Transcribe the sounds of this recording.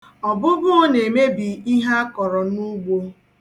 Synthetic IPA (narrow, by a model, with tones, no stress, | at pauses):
ɔ˨bʊ˦bʊ˦ɔ˦ne˨me˦bi˨i˦ɦa˦a˦kɔ˨ɾɔ˨nu˦ɡ͡bo˦